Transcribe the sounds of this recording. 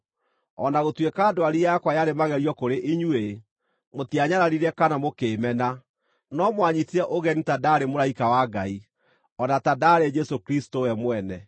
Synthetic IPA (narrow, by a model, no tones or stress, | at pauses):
ɔnaɣotwekaːdoaɾijakwajaɾemaɣɛɾiɔkoɾeʔiɲwe | motiaɲaɾaɾiɾɛkanamokeːmɛna | nɔmwaɲitiɛʔoɣɛnitadaːɾemoɾaikawaɡai | ɔnatadaɾed͡ʒɛsokɾistowɛmwɛnɛ